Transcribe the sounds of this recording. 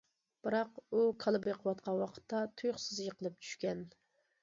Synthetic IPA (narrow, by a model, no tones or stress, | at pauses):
b̥ɨɾɑqukʰɑlˠɨbɨjqʰəwɑt̪̚qʰɑnwɑqʰə̥t̪ʰːɑt̪ʰujχsɨzjəqʰəlˠɨp̚t͡ʃʰy̥ʃkʲɛn